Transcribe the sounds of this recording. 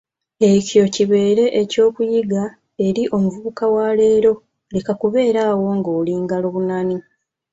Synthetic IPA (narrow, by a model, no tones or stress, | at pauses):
e̞co̞ciβe̞ːɾe̞ʔeco̞ːkujiɡa | e̞ɾiʔo̞muvuβukawale̞ːɾo̞ | lekakuβe̞ːɾaːwo̞ŋɡoːliːŋɡalo̞ːβunani